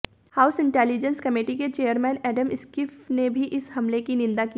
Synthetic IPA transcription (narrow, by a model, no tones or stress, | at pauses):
haːʊsɪ̃ɳʈɛːlid͡ʒə̃nskɐmeːʈiket͡ʃeːjəɾmɛ̃ːnɛːɖəmɪskɪfnebʱiʔɪshɐmlekinɪ̃nd̪aki